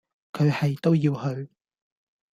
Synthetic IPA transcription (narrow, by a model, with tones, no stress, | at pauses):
kʰɵ˨˧ɥhɐ˨jt̪o˥wjiː˧whɵ˨˧ɥ